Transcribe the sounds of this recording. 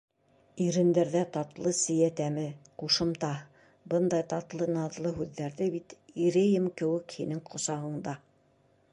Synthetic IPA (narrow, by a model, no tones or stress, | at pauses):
iɾɘ̆nd̪æɾðæt̪ɑt̪lˠɤsɘ̆jæt̪æmɘquʃɤ̆mt̪ɑ | bɤnd̪ɑjt̪ɑt̪lˠɤnɑðlˠɤɦʉðːæɾðɘbit̪iɾejɘmkɘ̆wɘkhinɘŋqʰŏsɑʁɤ̆ɴd̪ɑ